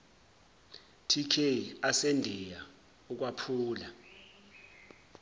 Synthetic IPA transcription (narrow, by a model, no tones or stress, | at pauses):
tʰikʰeiasendʱɛja | uk̬wapʰuːla